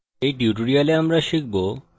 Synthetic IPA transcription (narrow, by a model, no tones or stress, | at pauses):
ejʈiuʈ̬oɾialeamɾaʃik̚bo